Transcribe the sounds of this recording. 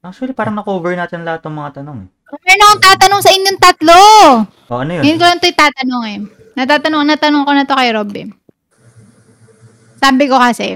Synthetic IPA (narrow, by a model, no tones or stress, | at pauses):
ʔak̚t͡ʃʊɐlipaːɾɐŋnɐkoːvɛɹnaːt̪ɪnlɐhat̪ːɐŋmɐŋat̪ɐnoŋ | obɛɹnokoŋt̪aːt̪ɐnoŋsɐʔɪɲjoŋt̪ɐt̪lo | ʔoʔɐnojojʊnkolɐnt̪ojt̪aːt̪ɐnoŋɛ | nɐt̪aːt̪ɐnonɐt̪ɐnoŋkonɐt̪okɐjɾobɛ | saːbɪkokɐsɛ